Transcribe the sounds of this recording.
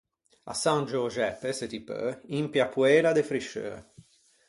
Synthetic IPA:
a̰sand͡ʒoʒɛpːeset̪ipø̰impjapuɛːɾad̪efɾiʃø̰

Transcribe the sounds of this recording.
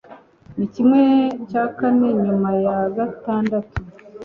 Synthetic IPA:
nicimŋe̞caːkane̞ɲumajaɡataːndatu

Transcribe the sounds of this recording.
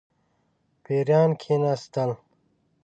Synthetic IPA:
peːɾjaːnkʰinast̪ɐl

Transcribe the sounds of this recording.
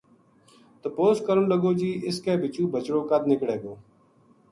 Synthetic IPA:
t̪əpoːskəɾənləɡoːd͡ʒiːʔɪskeːbʱɪt͡ʃũːbət͡ʃɽoːkəd̪nɪkɽeːɡoː

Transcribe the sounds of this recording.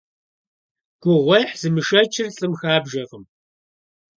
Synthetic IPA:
ɡ̥ʷʊʁʷɐħzɨmɨʂɐt͡ʃʰɪrɬʼɨmxaːbʒɐʁəm

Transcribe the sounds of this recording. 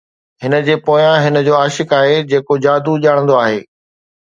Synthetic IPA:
ɦɪnə̆d͡ʑeːpoːjãɦɪnə̆d͡ʑoːaːʃɪkaːɦed͡ʑeːkod͡ʑaːd̪uʄaːɽ̃ə̃nd̪oaːɦḛː

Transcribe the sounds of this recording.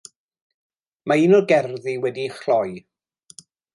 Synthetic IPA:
mainɔɡɛrðiwɛdiχlɔj

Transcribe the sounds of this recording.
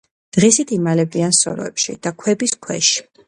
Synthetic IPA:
d̪̥ʁisit̪ʰimalɛb̪iansɔ̰ɾɔ̰ɛ̰pʃḭd̪̥akʰwɛbiskʰwɛ̰ʃi̥

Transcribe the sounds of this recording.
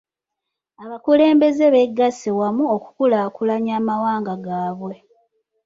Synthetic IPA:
aβakuleːmbe̞zeβe̞ɡːasewamuoku̥kulaːkulaɲaːmawaːŋɡaɡaːβwe̞

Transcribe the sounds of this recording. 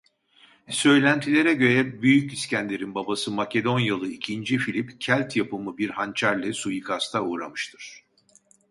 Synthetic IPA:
sø̞jlʲænt̪ʰilʲe̞ɾɛɟø̞ɾɛbyjyciscʰænd̪ʲeɾinbabasɯmacʰe̞d̪o̞njalˠɯicʰind͡ʒifilʲipcʰælʲt̪ʰjapɯmɯbiɾhant͡ʃʰaɾlʲɛsujikʰast̪ʰauːɾamɯʃt̪ʰɯɾ̥

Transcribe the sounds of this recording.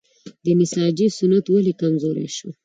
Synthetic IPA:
d̪ənɪsɑd͡ʒisʊnat̪walekamzoɾḛʃo

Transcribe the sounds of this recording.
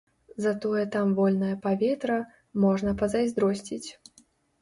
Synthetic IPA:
zɐt̪ɔjɛt̪amvɔlʲnɐjɐpavʲɛt̪ɾɐ | mɔʐnɐpɐzajzʲd̪ɾɔsʲt͡sʲit͡sʲ

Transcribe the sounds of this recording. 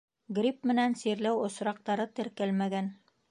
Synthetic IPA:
ɡɾʲip̚mɘ̆nænsiɾlæwŏsɾɑq̚t̪ɑɾɤt̪ɘ̆ɾkælmæɡæn

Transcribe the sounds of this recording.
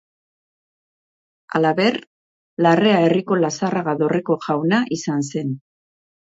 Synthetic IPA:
a̰laβe̞r | lare̞ae̞riko̞lasaraɣaðo̞re̞ko̞ʝawnaʔisanse̞n

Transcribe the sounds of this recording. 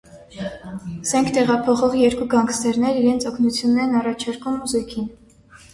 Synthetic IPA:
zɛŋkʰt̪ɛʁɑpʰɔχɔʁjɛɾkuɡɑŋkʰsɛɾnɛɾiɾɛnt͡sʰɔkʰnut͡sʰjunːɛɾɛnɑrɑt͡ʃʰɑɾkumzɔkʰin

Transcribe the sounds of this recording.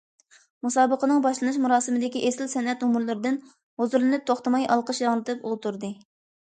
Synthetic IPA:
musɑːbəqənɨŋbɑʃlˠɨnɨʃmuɾɑːsɨmɨd̪ɪkʲiʔesɪlsɛnɛt̪umuɾlˠɨɾɨd̪ɪn | hozuɾlɨnɨp̚t̪ʰoχt̪əmɑjʔɑlˠqəʃjɑʁnˠɨt̪ʰɨpolˠt̪uɾd̪ɨ

